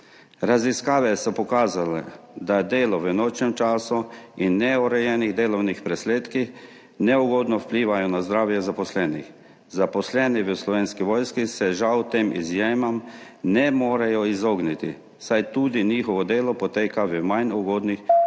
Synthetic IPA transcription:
ɾaziskaːʋɛsɔpɔkaːzalɛ̰d̪ad̪eːlɔʋənoːt͡ʃnɛmt͡ʃaːsuinːɛɔɾɛjɛːniɣd̪eːlɔwnixpɾɛsleːt̪kix | nɛuɡoːd̪nɔwpliːʋajɔnazd̪ɾaːwjɛzapɔslɛːnix | zapɔslɛniʋəslɔʋeːnskiʋɔːjskisɛʒawt̪eːmʔḭzjeːmam | nɛmoːɾajɔizoːɡnit̪ḭ | sajt̪uːd̪iniːxɔʋɔd̪eːlɔpɔt̪eːkaʋəmajnuɡoːd̪nix

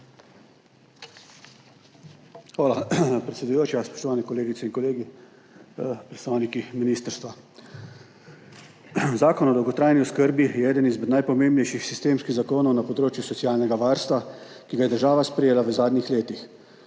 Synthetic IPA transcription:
xʋaːlapɾɛt̪sɛd̪ujoːt͡ʃjaspɔ̥ʃt̪ɔʋaːnɛkɔleːɡit̪sɛiŋkɔleːɡi | pɾɛt̪st̪aːwnikiminiːst̪əɾst̪ʋa | zaːkɔnɔd̪ɔwɡɔt̪ɾaːjniɔskəɾbijɛɛːd̪ənizmɛd̪najpɔmeːmbnɛjʃixsist̪eːmskiɣzakoːnɔwnapɔd̪ɾoːt͡ʃjusɔsijaːlnɛɡaʋaɾst̪ʋakiɡajɛd̪əɾʒaːʋaspɾɛjeːlaʋəzaːd̪nixleːt̪ix

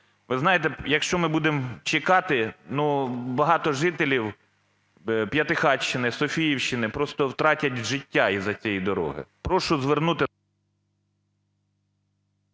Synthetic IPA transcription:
ʋɪznɑjet̪ɛjɐkʃt͡ʃɔmɪbud̪emt͡ʃɪkɑt̪ɪnubɐɦɑt̪ɔʒɪt̪elʲiw | pjɐt̪ɪxɑt͡ʃːɪnɪsɔfʲijiwʃt͡ʃɪnɪpɾɔst̪ɔwt̪ɾɑtʲɐtʲʒɪtʲːaizɐt͡sʲijid̪ɔɾɔ̰ɦɪ̰pɾɔʃʊzʋernut̪ɪ

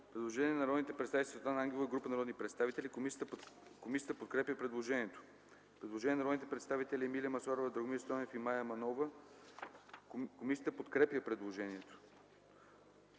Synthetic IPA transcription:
pɾɛd̪lˠoʒɛnʲiɛnɐɾɔd̪nit̪ɛpɾt̪st̪avit̪st̪anaaŋɡʲɛlˠovɡɾupənɐɾɔd̪nipɾɛt̪st̪avit̪ɛlʲi | komisʲjət̪əpot̪̚kɾɛpjəpɾɛd̪lˠoʒɛniɛt̪o̥ | pɾɛd̪lˠoʒɛniɛnɾɔd̪it̪ɛpɾɛt̪st̪avit̪ɛlʲiɛmilijəmɐsaɾovəd̪ɾoɡmist̪ɔnɛfimajəmɐnɔvə | komisʲiət̪əpot̪kɾɛpjəpɾɛd̪lˠoʒɛniɛt̪o̥

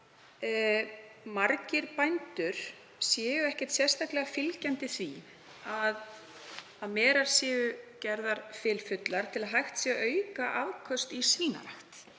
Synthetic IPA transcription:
maɾcɪɾpajnt̪ʏɾ̥ | sjɛːjʏɛhcɛ̥t̪sjɛ̥st̪ahklɛɣafɪlcɛnt̪ɪθvi | að | aðmɛːɾaɾ̥sjɛːɣʏcɛɾðaɾ̥fɪːlfʏt̪laɾ̥t̪ʰɪlaðɦajxt̪sjɛɣʔœːɥkaʔaðkʰœst̪isiːna̰ɾaxt̪

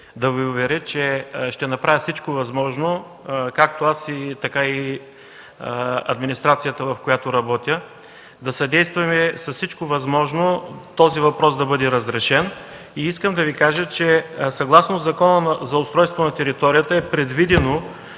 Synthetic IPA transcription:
d̪ɐviʊvɛɾʲət͡ʃɛʃt̪ɛnɐpɾavʲəfsit͡ʃkovɐzmɔʒno | kak̚t̪oasit̪ɐkai | ɐ̰d̪minist̪ɾat̪sijət̪əvɐfkojat̪oɾɐbɔt̪ʲjə | d̪ɐsɐd̪ɛjst̪vɐmɛsɐssit͡ʃkovɐzmɔʒnot̪ɔzivɐpɾɔsd̪ɐbɤd̪ɛɾɐzɾɛʃɛn | iiskəmd̪ɐvikaʒət͡ʃɛsɐɡlˠasnozzɐkɔnənzɐʊst̪ɾɔjst̪vonɐt̪ɛɾit̪ɔɾijət̪əɛpɾɛd̪vid̪ɛno

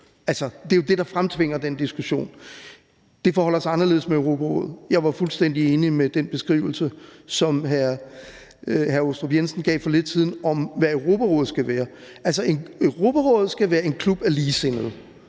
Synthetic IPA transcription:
ʔælsɐd̥e̝jo̝d̥e̝d̥ɑ̈fʁamt͡sʰʋe̝ŋ̰ɐd̥end̥isɡ̥uɕo̝̰ːn | d̥e̝fɒːhɒl̰ɐsɑɪɑ̈nɐle̝ð̰̩ˠsmeøʊʁo̝pʰæʁɔ̰̽ːð̩ˠjɑ̈ɪʋɑ̈fulsd̥en̰d̥ie̝ːnimed̥enb̥e̝sɡ̥ʁḭʊl̩səsɒ̽mɦæɐ | hæɐosd̥ʁobjensn̩ɡ̥ɛ̰ːfɒ̽le̝d̥̚t͡sʰiðˠn̩ɒ̽mʋæøʊʁo̝pʰæʁɔ̽ːð̞ˠsɡ̥æʋæːɐʔælsɐe̝nøʊʁo̝ːb̥ʰæʁɔ̽ːð̞̩ˠsɡ̥æʋæːɐe̝nkʰlub̥æɐliːsen̰ð̞̩ˠ

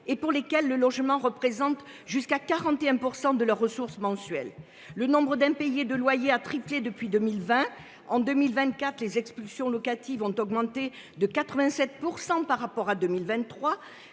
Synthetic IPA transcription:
epuʁlekɛlːəlɔʒmɑ̃ʁəpχezɑ̃t̪ | ʒyskakaʁɑ̃t̪eɛ̃puʁsɑ̃d̪əlœʁːəsuʁsəmɑ̃sɥɛ̰lː | ənɔ̃bʁəd̪ɛ̃pejed̪əlwajeat̪χipled̪əpɥid̪ømilvɛ̃ | ɑ̃d̪əmilvɛ̃nt̪̚kat̪χlezɛkspylsjɔ̃lɔkat̪ivɔ̃t̪ɔɡmɑ̃t̪e | d̪əkat̪χəvɛ̃sɛt̪̚puʁsɑ̃paʁapɔʁad̪ømilvɛ̃nt̪ːχwa

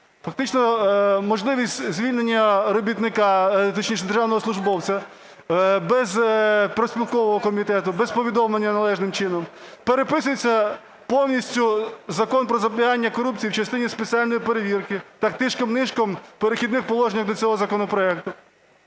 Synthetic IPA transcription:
fɐk̚t̪ɪt͡ʃnɔmɔʒlˠɪʋʲisʲtʲzʲʋʲilʲne̞nʲːɐɾɔbʲit̪nɪkɑt̪ɔt͡ʃnʲiʃ̬nɛd̪erʒɑwnɔɦɔslˠʊʒbɔwt͡sʲɐ | bɛzpɾɔsʲpʲilˠkɔʋɔɦɔkɔmʲit̪ɛt̪ʊbɛzpɔʋʲid̪ɔmlˠenʲːɐnɐlˠɛʒnɪmt͡ʃɪnɔmpeɾepɪsʊjet͡sʲːɐ | pɔwnʲisʲtʲʊzɐkɔnpɾɔzɐblʲiɦanʲːɐkɔɾup̚t͡sʲijiwt͡ʃɐst̪ɪnʲispet͡sʲialʲnɔjipeɾeʋʲirkɪt̪ɑkt̪ɪʃkɔmnɪʃkɔmpeɾexʲid̪nɪxpɔlˠɔʒenʲɐxd̪ɔt͡sʲɔɦɔzɐkɔnɔpɾɔɛk̚t̪ʊ

